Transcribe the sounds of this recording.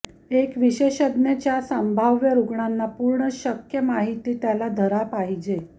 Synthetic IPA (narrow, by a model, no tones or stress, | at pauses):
ekʋiɕeɕəd̪nat͡ɕjasəmbʱaʋjəɾuɡɳanːapuɾɳəɕəkjəmaɦit̪iːt̪jalad̪ʱəɾapaɦid͡ʑe